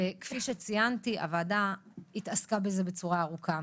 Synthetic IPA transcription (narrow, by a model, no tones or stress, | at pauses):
ekfiʃet͡sijantiʔa̰vadait̪askabeze̞bet͡suʁaːʁukʰa